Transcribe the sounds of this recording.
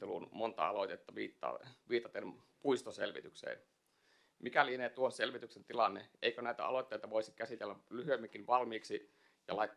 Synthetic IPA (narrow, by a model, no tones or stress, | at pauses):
elṵːnmont̪ɑ̰ɑ̰lot̪et̪ːɑʋiːt̪ːɑ̰ːʋiːt̪ɑt̪em | puist̪osḛlʋḭt̪yksḛːn | mikælieneːt̪uonselʋit̪yksent̪ilɑnːeʔeikønæit̪æ̰ɑ̰lot̪ːeit̪ɑʋoisikæsit̪elːælyhyemːiŋkːinʋɑlmiːksi | jɑ̰lɑit̪ː